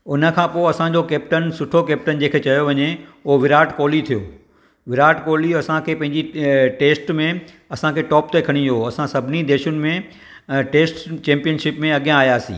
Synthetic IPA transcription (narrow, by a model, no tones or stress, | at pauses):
ʊnə̆kʰãːpoːɐsãɲd͡ʑokeːp̚ʈənsʊʈʰokeːp̚ʈənd͡ʑẽːkʰet͡ɕɐjoʋɐɲeʊɦoʋɪɾaːʈkoːlit̪ʰijo̰ː | ʋɪɾaːʈkoːliɐsãkʰeːpɐ̃ɦɪ̃ɲd͡ʑiʈeːsʈmẽ | ɐsãkʰeːʈɔːpt̪ekʰɐɽ̃ĩoɐsãsɐbʱɪnid̪eːʃʊnɪ̆mẽ | ʈeːsʈt͡ɕẽːmpijənʃɪpmẽɐɠjãaːjaːsḭ̃ː